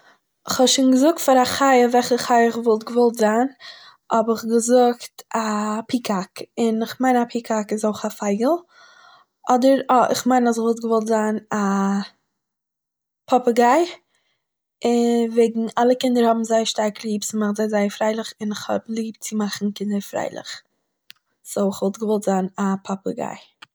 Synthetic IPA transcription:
ɪχhɔbʃiːnɡəzʊk̚tfaɾaχaɪəvɛlχəχaɪəɪχvɔlˠtɡəvɔlˠtzaːn | ɔbɪχɡəzʊktapikʰakɪnɪχmaɪnapʰikʰakɪzoʊχafaɪɡəl̩ˠ | ɔdəɾɪ̰χmaɪnas̬ɪχvɔlˠt̚ɡəvɔlˠtzaːna | pʰɔpəɡaɪ | ɪveɪɡŋ̩alˠəkɪndəɾhɔbm̩zaɪəʃtaɾklˠiːpt͡sɪmaχtzaɪzaɪəɾfɾaɪlˠɪχɪnɪχhɔ̰blˠiːp̚tt͡sɪmaχn̩kɪndəɾfɾa̰ɪlˠɪ̰χ | soʊɪχvɔlˠtɡəvɔlˠtz̥aːnapʰɔpəɡa̰ɪ

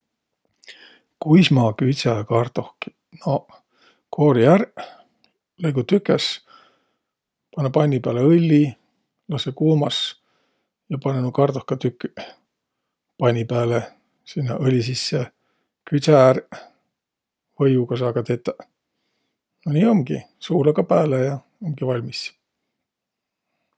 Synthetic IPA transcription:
kujsmɑːkyt̪sækɑrt̪o̞hki̥ | no | kʰoːɾiæɾ | lejɡ̥ut̪ykːˑes | pɑnːɑpɑjnʲːipæːleɤlʲːi | lɑsekuːmɑs | jɑpɑnenukɑrt̪ohkɑt̪ykː | pɑnʲːipæːle | sinːɑ̰ʔɤlʲis̬isːe | kysæɾ | vɤjukɑs̬ɑːkɑt̪et̪ːɑ | nonʲiːo̞ŋɡi | suːlekɑpæːlejɑ | oŋɡ̥ivɑlʲmis

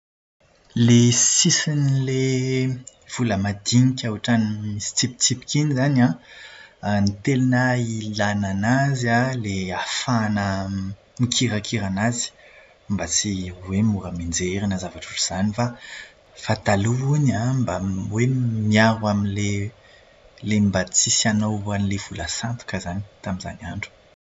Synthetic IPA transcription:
lesisinile | v̥uləmad̪iŋikʲawaʈ͡ʂanimisi̥t͡sipi̥t͡sipi̥kʲinizana | nit̪elinailananazaleafanə | mikʰiɾakʰiɾanazi̥ | mbat͡siwemuɾəmind͡zeɾinəzavaʈ͡ʂuʈ͡ʂuz̥anifa | fat̪aluunambawemiaɾwaminle | lembat͡sisanowanilev̥ulasant̪u̥kəzani̥t̪amiza̰naɳɖ͡ʐu̥

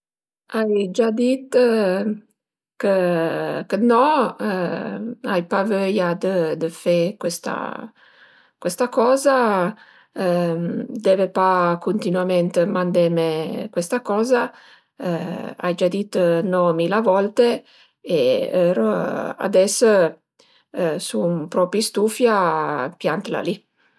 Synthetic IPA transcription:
ajd͡ʒad̪it̪ | kə | kənɔ | ajpavøjad̪əd̪əfekwest̪a̰ | kwest̪akɔːza | d̪ɛvepakont̪inwament̪mand̪emekwest̪akɔːza | a̰jd͡ʒad̪it̪nɔmilavɔlt̪e | eɛɾoa̰d̪ɛsː | sumpɾɔpɾist̪ufjapjant̪la̰li

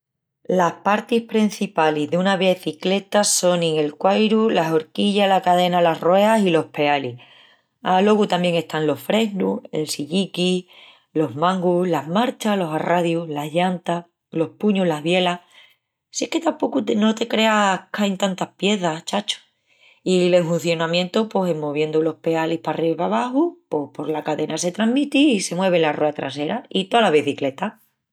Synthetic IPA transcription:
lahpaɾt̪ihpɾin̟θipalizðeunaβjeθikle̞t̪aso̞nĩŋe̞lkwajɾulaso̞ɾkiʎalakaðe̞nalaroe̞asilo̞hpe̞ali | alo̞ɣut̪amje̞ŋe̞st̪anlo̞ffɾe̞ɦnue̞̰lsiʎiki | lo̞ɦmãŋɡulaɦmaɾt͡ʃalo̞saraðjulaɦʝant̪a | lo̞hpuɲoɦlaɦβje̞la | sjehke̞t̪ampo̞kut̪no̞t̪e̞kɾe̞akajnt̪ant̪ahpje̞θat͡ʃat͡ʃo̥ | ile̞ŋfun̟θjo̞nãmjẽ̞nt̪oposemːoβ̞je̞nd̪ulo̞hpe̞alihpariβaβaxupohpo̞ɾlakaðe̞nase̞t̪ɾaɦmit̪iːse̞mwe̞β̞e̞laroat̪ɾa̰se̞ɾait̪olaβiθikle̞t̪a

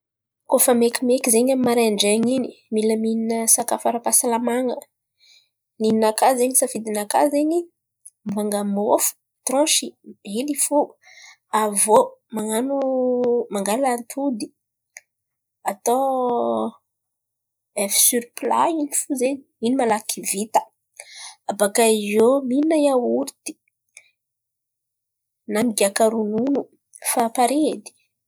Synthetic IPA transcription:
kofəmekʲimekizeɲamimaɾeɳɖ͡ʐeŋini̥miləmininəsakafaɾəpasalamaŋə | nininakazeɲisavid̪inaka̰zeɲi | mvaŋɡamofu̥ | t̪ɾɔ̃ʃienifu | avomaŋanumaŋɡalant̪ʰud̪i | at̪o | efi̥syɾipla̰inifuzeniinimalakivit̪ə̥ | abakaizominajawuɾit̪i̥ | namiɡakaɾununu | fapaɾed̪i̥

